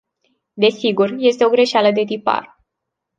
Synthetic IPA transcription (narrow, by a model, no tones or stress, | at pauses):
d̪e̞siɡurje̞st̪eo̞ɡɾe̞ʃaləd̪e̞t̪ipa̰r